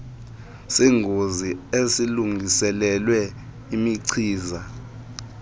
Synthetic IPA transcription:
siŋɡʱoziesiluŋʱisɛlɛlwɛ | imiǀʰiːza

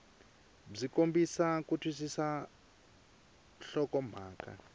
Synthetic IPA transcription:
b͡ʐikombisakutʰwis̬isa | ɬɔkɔm̤aːka̰

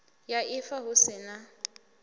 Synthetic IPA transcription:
jaʔɪfaɦʊsɪna

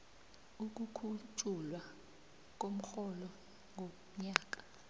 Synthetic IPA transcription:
uk̬ʼukʰut͡ʃʼulwa | k̬ʼom̩xɔlɔ | ŋʱom̩ɲaːk̬ʼḁ

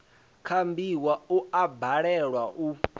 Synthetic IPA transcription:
kʰambiwauabaɺɛɺwaʔu

